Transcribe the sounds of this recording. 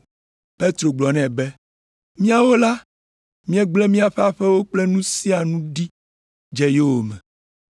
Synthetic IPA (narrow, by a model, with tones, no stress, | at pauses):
pe˦t̪ɾo˨ɡ͡blɔ˨nɛ̃˨bɛ˦ | mĩ˦a˦wo˦la˦ | mĩ˦ɛ˦ɡ͡blɛ˦mĩ˦a˨ɸɛ˦a˨ɸɛ˦wo˦k͡plɛ˦nũ˦si˦a˨nũ˦ɖi˦ | d͡ʒɛ˦je˦wo˨mɛ̃˨